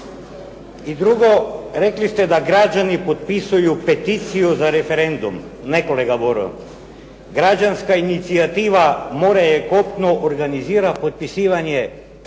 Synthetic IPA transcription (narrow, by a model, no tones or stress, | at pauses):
id̪ɾuɡoɾeklist̪ɛd̪aɡɾad͡ʑanipot̪̚pisujupet̪it̪sijuzaɾefeɾend̪um | nekoleɡaboɾo̰ | ɡɾad͡ʑanskainit̪siat̪iːʋamoɾajekop̚t̪noʔoɾɡaniziːɾapot̪̚pisiːʋaɲe